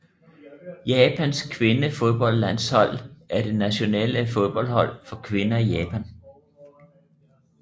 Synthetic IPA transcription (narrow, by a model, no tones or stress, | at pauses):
jɛːpʰænskʰʋe̝nəfo̝ð̞ˠb̥ɒ̽l̰d̥læn̰shɒ̽l̰æɐd̥e̝næɕo̝nɛ̰ləfo̝ð̞ˠb̥ɒ̽l̰dhɒ̽l̰fɒ̽kʰʋe̝nɐijɛːpʰæn